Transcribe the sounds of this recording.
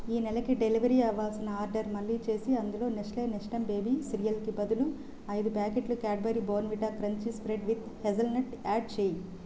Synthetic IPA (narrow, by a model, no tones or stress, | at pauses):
iːnɛlɐkiɖeliʋɐɾiɐʋːaːlsinɐaːɾɖɐɾmɐlːiːt͡ʃe̞ːsiɐnd̪ulo̞ːneʂleːneʂʈɐmbe̞ːbiːsiɾijɐlkibɐd̪ulu | ɐjd̪upaːkeʈlukaːɖ̚bɐɾiboːnʋiʈaːkɾɐɲt͡ʃispɾeɖʋid̪hezɐlnɐʈaːɖ̚t͡ʃeːji